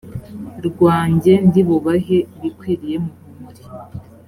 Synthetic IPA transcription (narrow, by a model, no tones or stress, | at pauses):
ɾɡwaːɲɟe̞ndiβuβaɦeβikwiːɾije̞muβumuɾi